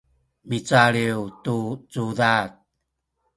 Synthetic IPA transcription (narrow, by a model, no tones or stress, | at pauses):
mit͡saɾiwtut͡suðat̚